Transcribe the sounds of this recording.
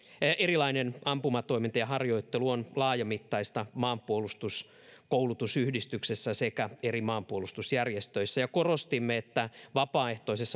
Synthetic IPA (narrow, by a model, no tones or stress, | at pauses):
ʔerilɑinenɑmpumɑt̪o̞imint̪ɑjɑhɑrjo̞it̪ːeluonlɑːjɑmit̪ːɑist̪ɑmɑːmpuolust̪us | koulut̪usyhdist̪yksesːæsekæerimɑːmpuolust̪usjærjest̪øisːæjɑkorost̪imːeet̪ːæʋɑpɑːeht̪o̞isesː